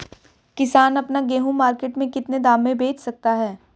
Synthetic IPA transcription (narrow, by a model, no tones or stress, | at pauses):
kɪsaːnɐpnaɡeːɦũmaːɾkeːʈmẽkɪt̪ned̪aːmẽbʱeːt͡ʃsɐk̚t̪aɦɛː